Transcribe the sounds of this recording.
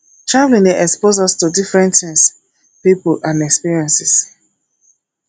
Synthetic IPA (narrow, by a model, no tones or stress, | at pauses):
tɹavlĩneʔɛkspozɔstudifɹɛ̃ntɛ̃ns | pipolʔãnɛkspiɹiɛ̃nsis